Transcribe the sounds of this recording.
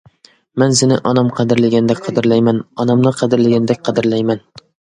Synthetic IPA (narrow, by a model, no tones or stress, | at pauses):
mansɪnɪʔɒnamqʰɑd̪ɪɾlɪɡʲand̪ɛk̚ʲqʰɑd̪ɪɾlajmanɒnamnɪqʰɑd̪ɪɾlɪɡʲand̪ɛk̚ʲqʰɑd̪ɪɾlajman